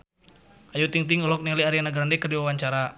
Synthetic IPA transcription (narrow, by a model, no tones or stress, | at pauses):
ajut̪iŋt̪iŋɔlɔk̚niliaɾianaɡaɾandɛkərdiwawaɲt͡ʃaɾa